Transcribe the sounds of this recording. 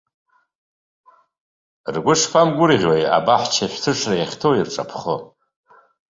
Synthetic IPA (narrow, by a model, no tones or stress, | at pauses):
rɡʷʊʂpʰamɡʷʊɾiʁʲwaja̰baħt͡ʃʰaʃʷᶣtʰɨʂrajaχʲtʰowirʈ͡ʂʼa̰pʰχo